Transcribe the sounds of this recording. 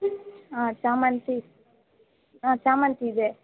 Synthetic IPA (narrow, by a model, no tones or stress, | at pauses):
ãːt͡ʃaːmɐnt̪i | ãːt͡ʃaːmɐnt̪iːd̪e